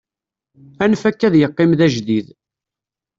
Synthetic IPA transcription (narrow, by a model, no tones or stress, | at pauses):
ænfækːæðjəqːɪmðæʒðið